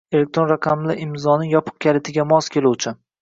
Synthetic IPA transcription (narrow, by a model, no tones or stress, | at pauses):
e̞le̞k̚ʲt̪ɾo̞nɾaqʰamlɪʔɪmzɒnɪjɒpʰɨ̥q̚kʲʰalet̪ʰɪɡʲamɒskʲe̞luwt͡ʃʰɪ